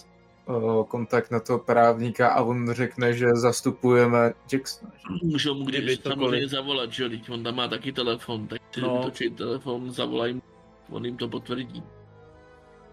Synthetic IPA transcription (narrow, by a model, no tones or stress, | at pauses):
ko̞nt̪ak̚t̪nat̪oɦopɾaːvɲikaʔavonr̝ɛknɛʒɛzast̪upujɛmɛd͡ʒɛksmɛmuʒɛomuɡdɪsamoɾejɲɛzavo̞lad̪ʒɛjo̞dɪcvo̞nt̪amːaːt̪akɪt̪ɛlɛfo̞nt̪ak̚tɛt̪ot͡ʃɛit̪ɛlɛfo̞nza̰vo̞̰lajɪm | vo̰njɪmt̪o̞p̬o̞t̪vr̩ɟḭː